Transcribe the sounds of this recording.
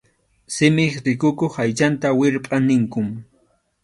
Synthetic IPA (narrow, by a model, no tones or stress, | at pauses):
sɪmɪχɾɪkʊkoχajt͡ʃant̪awɪɾpʼɑnɪŋkʊm